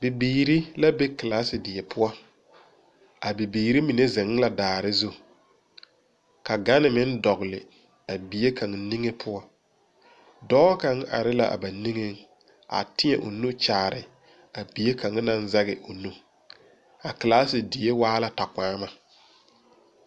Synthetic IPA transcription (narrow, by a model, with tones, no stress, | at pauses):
bɪ˨biː˨ɾi˦la˦be˦klaː˦sɪ˨dɪ˨e˨pʰʊ˦ɔ˦ | a˨bi˨biː˨ɾi˦mi˨ne˦zɪ˨ŋ˦la˨daː˨ɾɪ˦zu˦ | ka˨ɡa˦nɪ˨mɪ˦n˦dɔ˨ɣlɪ̰˨ | a˨bi˨je˦ka˨ŋni˦ŋe˦pʰʊ˦ɔ˦ | dɔ˦ka˨˦ŋa̰˨ɾɪ˦la̰˦a̰˨ba˨ni˦ŋe˦ŋ | a̰˨tɪ˦ɛ˨ʔʊ̰˨nu˦t͡ʃaː˨ɾɪ̰˨ | a˨bi˨e˦kʰa˨ŋ˦na˦n˦za˦ɣɪ˨ʔo˨nu˦ | a˨klaː˦sɪ˨dɪ˨je˦waː˦la˦ta˨kaː˦ma˨